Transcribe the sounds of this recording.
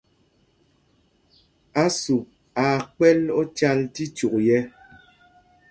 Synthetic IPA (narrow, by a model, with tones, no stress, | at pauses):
a˦su˨p̚ | a˨k͡pɛ˦lɔ˦t͡ʃa˦lti˦t͡ʃu˨k̚jɛ˦